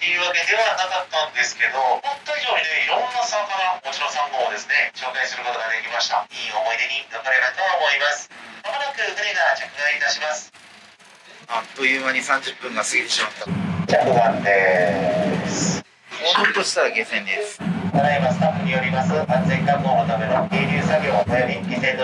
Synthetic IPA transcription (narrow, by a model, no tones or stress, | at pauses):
t̪e̞jɯ̟ːβake̞d̪e̞βananakat̪ːãnd̪e̞sɨ̥ke̞d̪o̞hõnt̪ːoiʑo̞ːɲʲineiɾõ̞nːasakaɾamo̞t͡ɕiɾosãŋɡoːd̪e̞sɨne̞ɕo̞ːkaisɨɾɯ̟ko̞t̪o̞ɡad̪e̞kʲimaɕi̥t̪a̰iːo̞mo̞id̪e̞ɲ̟inakaɾeɾat̪oβaomo̞imasɨ̥namaɾakɯ̟naɾeɡat͡ɕakɯ̟ɡãɰ̃it̪aɕimasɨ̥ | at̪ːojɯːmaɲ̟isãɲ̟d͡ʑɨpːɯ̟̃ŋɡasɨɡʲit̪e̞ɕimat̪ːat͡ɕakɯ̟ɡãnd̪e | sɨ̥ | oot̪oɕi̥t̪aɾaɡesẽ̞nd̪esɨ̥k̪aɾaimasɨ̥t̪apːɯ̟ɲ̟ijo̞ɾʲimasɨkãnd͡zẽ̞ŋkamːoʔot̪ame̞nok̪eːɾʲɯːsaɡʲo̞ːβat̪ajo̞ɾʲikʲisẽ̞n